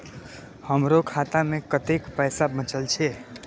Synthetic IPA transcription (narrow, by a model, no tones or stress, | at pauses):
həmɾokʰat̪amekət̪ekpəjsabət͡ʃəlt͡ʃʰe